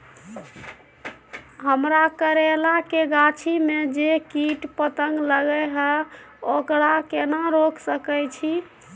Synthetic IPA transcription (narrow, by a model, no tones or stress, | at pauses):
ɦəmɾakəɾelakeɡat͡ʃʰimed͡ʒekiʈpət̪əŋɡləɡəɦəokɾakenaɾokʰsəkɛjt͡ʃʰi